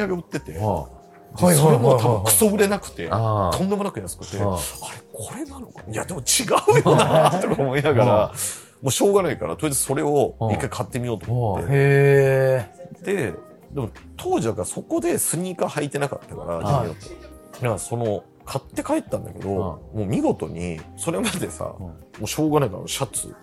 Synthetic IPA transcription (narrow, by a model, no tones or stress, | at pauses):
iaɡe̞ot̪ːe̞t̪e̞̰ | d̪esoɾe̞mo̞t̪ʰaɯ̃ŋkɯ̥so̞ɯ̟ɾe̞nakɯ̟̥t̪e̞̰d̪õ̞nd̪e̞mo̞nakɯ̟jasɨ̥kɯ̟t̪ːeaɾe̞kʰo̞ɾe̞nano̞kaia̰d̪e̞mo̞t͡ɕiɡaɯ̟jonat̪ːokaomo̞inaɡaɾa | moːɕo̞ːɡanaikaɾa̰t̪oiz̥so̞ɾe̞o̞ikːaikʰat̪ːe̞mʲijo̞ːt̪omot̪ːe̞̰e | d̪e̞ | d̪e̞mo̞t̪ʰo̞ːʑid̪akaɾaso̞ko̞d̪e̞sɨɲ̟iːkahait̪e̞nakat̪ːakaɾaaiot̪ː | nakaso̞no̞ | kʰat̪ːe̞kaet̪ːãnd̪a̰ke̞d̪o̞moːmʲiɡo̞t̪o̞̰ɲ̟ḭso̞ɾe̞mad̪e̞sa̰moːɕo̞ːɡanait̪aa̰noɕat͡sɨ̰